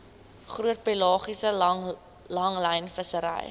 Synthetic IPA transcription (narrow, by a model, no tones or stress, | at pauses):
χruət̚pelɑːχisə | lɐŋlɐjnfəsəɾə̰j